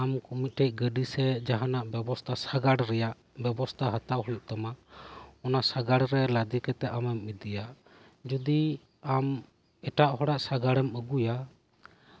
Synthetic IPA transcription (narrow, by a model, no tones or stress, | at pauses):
amkumit̪̚ʈɛc̚ˀɡəɖisɛd͡ʒaɦanaʔbɛbɔst̪ʰasaɡaɽɾɛjaʔ | bɛbɔst̪ʰaɦat̪awhɔjuʔ̚t̪amaʔɔnasaɡaɽɾɛlad̪ikɛt̪ɛamɛmːid̪ija | d͡ʒud̪i | am | ɛʈaʔhɔɽaʔsaɡaɽɛməɡuja